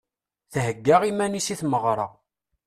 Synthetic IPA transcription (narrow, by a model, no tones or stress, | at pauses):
θɦəɡːaʁimænisiθməʁɾˤɑ̰